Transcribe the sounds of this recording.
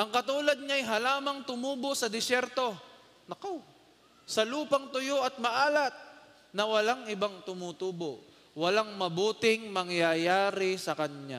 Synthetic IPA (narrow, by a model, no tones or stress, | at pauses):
ʔɐŋkɐt̪uːlɐd̪̚ɲaɐjɦɐlaːmɐŋt̪ʊmuːbosɐd̪ɪsjɛɾt̪o̞ | nɐkow | sɐluːpɐŋt̪ʊjoʔɐt̪̚mɐʔaːlɐt̪̚ | nɐwɐlaŋʔɪbaŋt̪ʊmut̪uːbo | wɐlaŋmɐbuːt̪ɪŋmɐŋjajaːɾɪsɐkɐɲɲa̰